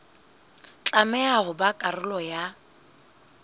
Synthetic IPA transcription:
t͡ɬʼamɛaɣʊbakʼarʊlɔja

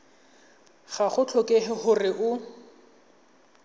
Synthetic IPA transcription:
χaχʊt͡ɬʰɔkʼeɦɪχʊrɪʔʊ

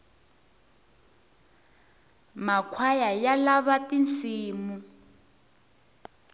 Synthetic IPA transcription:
makʰwajajalaβatint͡siːmu

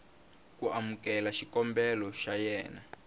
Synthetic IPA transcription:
kuamukɛlaʃikɔmbɛlɔʃajɛːna

